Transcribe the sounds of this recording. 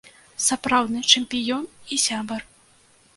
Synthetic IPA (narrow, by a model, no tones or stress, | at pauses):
sapɾawd̪nɨt͡ʂɛmʲpʲijɔnisʲabɐr